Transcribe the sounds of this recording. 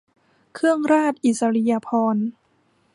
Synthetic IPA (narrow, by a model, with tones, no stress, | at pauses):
kʰɯ˥˩əŋɾaː˥˩t̪̚ʔi˨˩t̪̚sa˧ɾi˧ja˧pʰɔː˧n